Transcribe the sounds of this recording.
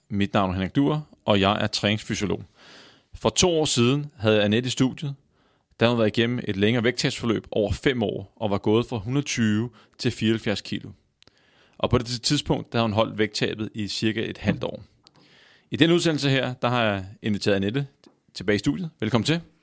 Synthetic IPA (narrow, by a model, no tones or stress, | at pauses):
mid̥nɑ̈ʊ̰nɐhenɐɡ̚d̥ṵɐ̰ʔɒ̽jɑ̈ɪʔæɐt͡sʰʁɛːne̝ŋsfyɕo̝lo̝̰ː | fɒ̽t͡sʰo̝̰ːɒ̰ːsiːð̞ˠn̩ɦæð̞̩ˠjɑned̥isd̥uðd̥ˠjð̩ˠ | d̥ɑæhæunʋæɐiɡ̥en̰m̩ʔe̝d̥leŋɐːʋeɡ̥̚t͡sʰɛ̰b̥sfɒ̽lø̰ːb̥ɒʊ̰ɐfem̰ɒ̰ːɒ̽ʋɑ̈ɡ̥ɔ̽ːð̞̩ˠfʁɑ̈ɦunɐð̩ˠt͡sʰyːʋə | t͡sʰe̝lfiːɐhælfjæɐskʰilo̝ | ʔɒ̽pʰɒ̽d̥et͡sʰiðˠspʰɔ̽ŋ̰d̥æhðˠhunɦɒ̽l̰d̥ʋeɡ̥̚t͡sʰɛ̰ːb̥ð̩ˠisiɐɡ̥æe̝d̥hæl̰d̥ɒ̰ː | id̥enəuðˠsen̰l̩səɦeɐ̰d̥ɑ̈ɦɑ̈jɑe̝nʋit͡sʰe̝ɐðˠned̥ə | t͡sʰe̝b̥ɛːɪisd̥ṵðjð̩ˠʋelkʰɒ̽mn̩t͡sʰe̝